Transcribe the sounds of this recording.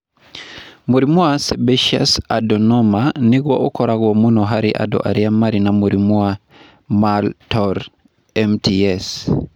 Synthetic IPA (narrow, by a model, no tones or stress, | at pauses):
moɾimuasebeʃa̰sadɔnɔmaniɡwɔokɔɾaɡwɔmunɔɦaɾiʔa̰dɔ̰ʔa̰ɾiamaɾinamoɾimua | maltɔɾ | ɛmtiɛs